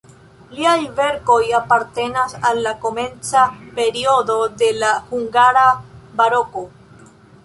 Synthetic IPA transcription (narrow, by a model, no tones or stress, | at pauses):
liajve̞ɾko̞japaɾt̪e̞nasalːako̞me̞nt͡sape̞ɾio̞do̞de̞lahuŋɡaɾabaɾo̞ko